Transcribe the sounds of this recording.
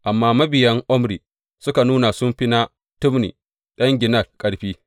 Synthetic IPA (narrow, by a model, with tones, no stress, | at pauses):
ʔa˨mːaː˦mɐ˦bɪ˨jɐ˦ŋʔɔ˦mɽiː˨ | sʊ˦ka˨nuː˦na˨sʊ˦mɸi˦na˦ | tʊ˦mnḭː˨ | ɗɐ˦ŋɡʲɪ˨nɐ˦˨lkʼɐ˦ɽɸiː˦